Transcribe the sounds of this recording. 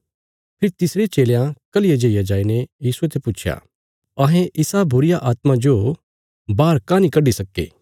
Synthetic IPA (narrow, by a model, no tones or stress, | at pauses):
pʰɪɾt̪ɪsɾet͡ʃeːljãkɐlɪjad͡ʒeijad͡ʒaːinejiːsuet̪ʰeput͡ʃʰja̰ː | ɐɦẽʔɪsabʊɾɪjaʔaːt̪mad͡ʒo | baːɾkãnikɐɖisɐkːḛː